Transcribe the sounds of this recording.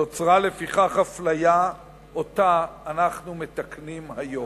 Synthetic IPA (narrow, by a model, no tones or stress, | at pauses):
o̞t͡sʁale̞fiχaχhaflaja | ʔo̞t̪aːnaχnume̞t̪aknimhajo̞